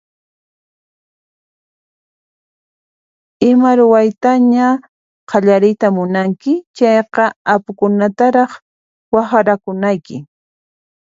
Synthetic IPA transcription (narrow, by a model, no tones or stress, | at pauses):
ɪmaɾʊwajt̪aɲa | qʰɑʎaɾɪjt̪amʊnaŋkɪt͡ʃɑjqɑapʊkʊnat̪aɾɑχ | waχaɾakʊnajkɪ